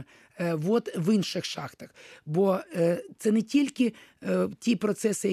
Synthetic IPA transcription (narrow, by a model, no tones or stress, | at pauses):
ʋot̪ʋɪnʃɪxʃɑxt̪ɐxbot̪sɛnɛtʲilʲkʲɪtʲipɾɔt̪sɛsɪjɐ